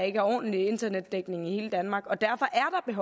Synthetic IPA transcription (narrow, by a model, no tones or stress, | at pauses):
e̝ɡ̥æɒ̰ːd̥əlie̝nd̥ɐned̥ːeɡ̥ne̝ŋ̩ihe̝ːləd̥ænmɑ̈ːɡ̥ɒ̽d̥æɐfɒ̽ʔæɐd̥ɑ̈b̥e̝ɦɒ